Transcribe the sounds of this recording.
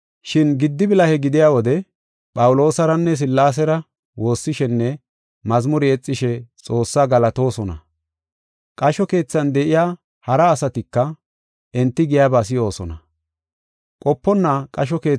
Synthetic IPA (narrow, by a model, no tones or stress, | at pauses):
ʃɪnɡɪd̪ːɪbɪlɐhɛɡɪd̪ɪjaːwɔd̪ɛ | pʼɐwʊlo̞ːsɐɾɐnːɛs̬ɪlːaːs̬ɛɾɐ | wo̞ːsːɪʃɛnːɛ | mɐzmʊɾɪɛt͡sʼːɪʃɛt͡sʼo̞ːsːaɡɐlɐt̪o̞ːsɔnɐ̰ | kʼɐʃɔke̞ːt͡sːɐnd̪ɛʔɪjaː | hɐɾɐːsɐt̪ɪkːɐ | ɛnt̪ːɪɡɪjaːbas̬ɪjo̞ːsɔ̰nɐ | kʼɔpːɔnːakʼɐʃ̬ɔke̞ː